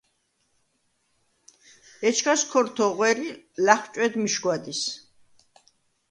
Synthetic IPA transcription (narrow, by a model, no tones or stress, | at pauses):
ɛt͡ʃʰkʰaskʰɔɾt̪ʰɔʁwɛɾi | laχt͡ʃʼwɛd̪miʃɡwad̪is